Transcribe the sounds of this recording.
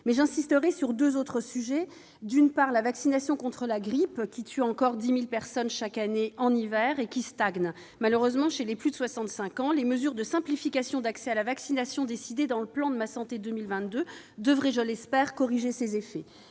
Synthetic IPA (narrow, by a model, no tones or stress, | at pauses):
mɛʒɛ̃sist̪əʁɛsyʁd̪øzot̪χəsyʒɛ | d̪ynpaʁlavaksinasjɔ̃kɔ̃t̪χəlaɡʁipkʲit̪ʰyɑ̃kɔʁd̪imilpɛʁsɔnʃakaneɑ̃nivɛʁekʲist̪aɡn | maløʁøzmɑ̃ʃeleplyd̪əswasɑ̃t̪sɛ̃kɑ̃leməzyʁd̪əsɛ̃plifikasjɔ̃d̪aksɛalavaksinasjɔ̃d̪esid̪ed̪ɑ̃ləplɑ̃d̪əmasɑ̃t̪ed̪ømilvɛ̃t̪̚d̪ø | d̪əvʁɛʒəlɛspɛʁkɔʁiʒesezefɛ